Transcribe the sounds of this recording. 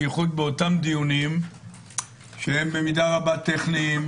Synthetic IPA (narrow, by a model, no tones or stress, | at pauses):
χud̚beotamd̪ijunim | ʃehe̞mbe̞midaʁabat̪eχniːm